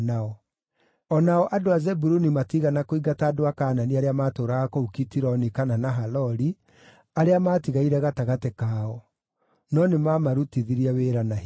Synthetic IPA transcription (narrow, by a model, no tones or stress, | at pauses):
naɔ | ɔnaɔʔadoazɛbuɾunimatiɣanakoiɡataːdoakaːnaniaɾeamatoːɾaɣakoukitiɾɔnikananaɦalɔɾi | aɾeamaːtiɣaiɾɛɣataɣatɛkaːɔ | nɔnemamaɾutiðiɾiaweːɾana